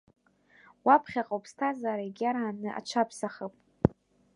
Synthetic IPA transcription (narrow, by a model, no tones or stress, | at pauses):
wapʰχʲaqʼowpʰstʰazaːɾaiɡʲaɾaːnɨʔa̰t͡ʃʷʰapʰsaχəpʼ